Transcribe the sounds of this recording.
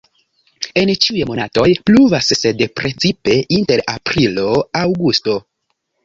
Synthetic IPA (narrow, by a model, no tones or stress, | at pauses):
e̞nt͡ʃiujemo̞nato̞jpluvasːedpɾʔet͡sipe̞ʔinte̞ɾapɾilo̞awɡusto̞